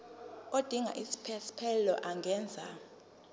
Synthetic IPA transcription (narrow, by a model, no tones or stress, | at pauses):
od̥ʱiŋa̰ʔisi̥pʰɛsi̥pʰɛllɔ̰ʔaŋɡʱɛːnd͡zʱa̰